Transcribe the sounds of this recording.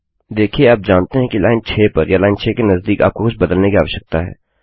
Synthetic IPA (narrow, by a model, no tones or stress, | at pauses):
d̪eːkʰieaːp̚d͡ʒaːnt̪eɦɛ̃kilaːɪnt͡ʃʰeːpɐɾjalaːɪnt͡ʃʰeːkenɐzd̪iːka̰ːp̚kokʊt͡ʃʰbɐd̪əlnekia̰ːʋəʃək̚t̪aɦɛ̰ː